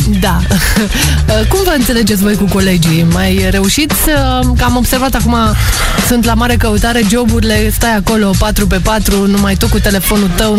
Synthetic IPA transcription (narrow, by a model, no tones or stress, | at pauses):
d̪a | əkumvəɨnt̪sele̞d͡ʒe̞t̪sʲvo̞jkuko̞le̞d͡ʒimajɾe̞uʃit̪sʲ | kəamo̞bse̞rvat̪akuma | sunt̪lamaɾe̞kəut̪aɾe̞d͡ʒo̞buɾile̞st̪ajako̞lo̞pat̪ɾupe̞pat̪ɾunumajt̪ukut̪e̞le̞fo̞nut̪əw